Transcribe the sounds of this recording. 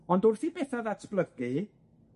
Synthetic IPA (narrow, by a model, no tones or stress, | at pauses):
ɔndʊrθibɛθaðatʰb̥ləɡi